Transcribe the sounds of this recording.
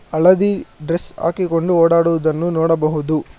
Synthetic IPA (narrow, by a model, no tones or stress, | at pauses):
ɐɭɐd̪iɖɾesa̰ːkiko̞ɳɖuoːɽaːɽuʋɐd̪ɐnːunɔːɽɐbɐɦud̪u